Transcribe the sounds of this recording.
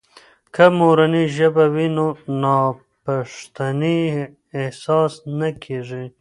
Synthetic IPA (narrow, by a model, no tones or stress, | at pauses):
kʰamoɾaniʒəbawinonɑ | paʂt̪aniː | hsɑsnakʰeʐi